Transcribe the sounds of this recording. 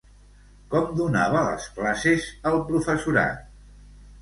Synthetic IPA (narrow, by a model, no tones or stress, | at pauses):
kɔmd̪unaβələ̰sklasezəlˠpɾufəsuɾa̰t̪̚